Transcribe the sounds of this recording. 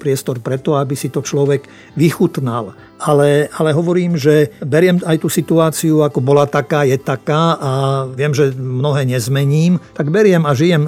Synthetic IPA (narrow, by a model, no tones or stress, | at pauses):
pɾɪɛst̪ɔɾpɾɛt̪ɔabisit̪ɔt͡ʃlɔʋɛɡ | ʋixut̪nal | alɛalɛɦɔʋɔɾiːmʒɛbɛɾɪɛmajt̪uːsit̪uaːt͡siuakɔbɔlat̪akaːjɛt̪akaːʔaʋɪɛmʒɛmnɔɦɛːɲɛzmɛɲiːmt̪aɡbɛɾɪɛmaʒijɛm